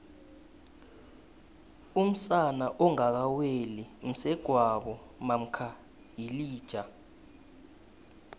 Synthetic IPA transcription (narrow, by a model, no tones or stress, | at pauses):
um̩sanaʔɔŋak̬awelim̩sɛɡ̥ʱwaɓɔ | mam̩kʰa | jiliːd̥ʒ̥ʱa